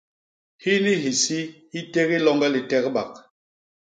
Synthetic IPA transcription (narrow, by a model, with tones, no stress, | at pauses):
hi˦ni˦ɦi˨si˦hi˦te˦ɣi˦lɔ˦ŋɡɛ˦li˨tɛ˦kba˨k̚